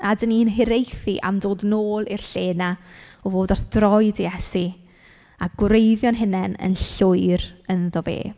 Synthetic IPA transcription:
adəniːnɦɪɾejθiʔa̰mdoːdnoːlˠirɬeːnaɔvoːdɔrθd̥rɔɨdijɛsi | aɡwrejðjɔnɦɪnɛnə̰nɬʊɨɾənðɔvḛː

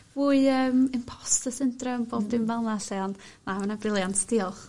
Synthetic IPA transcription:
vuːɨəːmɪmpʰɔ̥stəsɪntrəmboːdɪnvɛlˠnaɬɛɔnmamənabrɪlˠjantʰsd̥iɔlˠχ

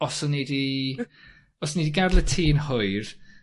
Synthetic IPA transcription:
ɔsɔnidi | ɔsniːdiɡarlətʰiːnhʊɨr

